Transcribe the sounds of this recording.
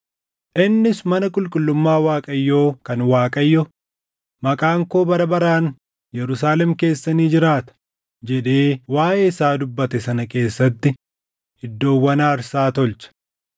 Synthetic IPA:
ʔɪnːɪsmɐnɐkʼʊlkʼʊlːʊmːaːwaːkʼɐjːo̞ːkɐnwaːkʼɐjːɔ | mɐkʼaːŋko̞ːbɐɾɐbɐɾaːn | jɛɾʊs̬aːlɛmke̞ːsːɐniːd͡ʒɪɾaːt̪ɐ̥ | d͡ʒɛᶑe̞ːwaːʔeːɪsaːd̪ʊbːɐt̪ɛsɐnɐke̞ːsːɐt̪ːɪ | hɪd̪ːo̞ːwːɐnaːɾsaːt̪ɔlt͡ʃɐ̥

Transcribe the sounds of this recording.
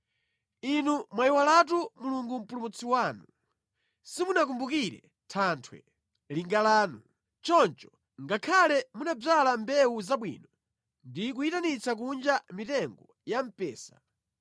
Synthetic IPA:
inumwaiwalat̬umuluŋɡum̩pulumut͡sʰiwaːnu | simunak̬umbukiɾɛ̰ | tʰaːntʰwɛ̰ | liŋɡalaːnu | t͡ʃɔnt͡ʃɔ̥ | ŋɡakʰalɛmunab͡ʐalambɛuzaɓwḭːnɔ | ndik̬uitanit͡sʰak̬und͡ʒamitɛŋɡɔ | jam̩pɛːsa̰

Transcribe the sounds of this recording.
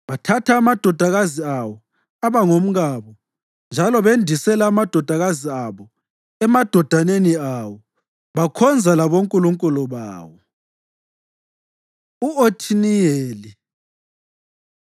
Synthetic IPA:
βatʰatʰaːmad̥ʱɔd̥ʱaɣaziawɔ | aβaŋom̩ɣaːβɔ | nd͡ʒʱalɔβendʱisɛlaːmad̥ʱɔd̥ʱaɣaziaβɔ | ɛmad̥ʱɔd̥ʱaneniawɔ | βakʰɔnd͡zʱalaβoŋkʼuluŋkʼulɔβa̰ːwɔ | uotʰinijeːli

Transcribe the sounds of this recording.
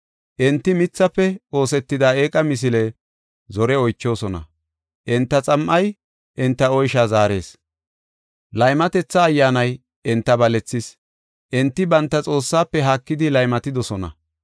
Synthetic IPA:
ʔɛnt̪ːɪmɪt͡sːɐpːɛo̞ːsɛt̪ːɪd̪aːeːkʼɐmɪs̬ɪle | zɔɾɛɔjt͡ʃːo̞ːsɔnɐ̰ | ʔɛnt̪ːɐt͡sʼɐmʔɐj | ʔɪnt̪ːɐɔjʃaːzaːɾe̞̰ːs | lɐjmɐt̪ɛt͡sːɐːjːaːnɐj | ɛnt̪ːɐbɐlɛt͡sːɪs | ʔɛnt̪ːɪbɐnt̪ːɐt͡sʼo̞ːsːaːpːɛɦaːkːɪd̪ɪlɐjmɐt̪ɪd̪ɔsɔnɐ̰

